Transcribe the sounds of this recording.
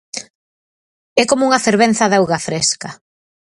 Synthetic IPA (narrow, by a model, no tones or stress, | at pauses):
ɛkomouŋɐfeɾβen̟θɐðawɣɐfɾeskɐ